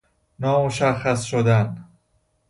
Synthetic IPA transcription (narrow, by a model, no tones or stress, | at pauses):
nɒːmoʃæxːæsʃod̪æn